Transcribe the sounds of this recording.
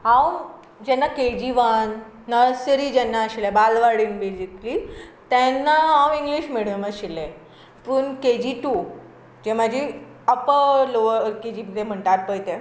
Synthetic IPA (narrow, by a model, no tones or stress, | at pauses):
ɦãw | d͡ʑɛnːaked͡ʑiʋanː | əsɾid͡ʑɛnːaːɕilebalʋaɽiːnbed͡ʑiklit̪ɛnːaɦãwiŋɡliɕmeɭʋẽməɕilẽ | pəːɳked͡ʑiʈu | d͡ʑemad͡ʑʱi | əpəloəɾked͡ʑipid̪em̤əɳʈaɾpəjt̪ẽ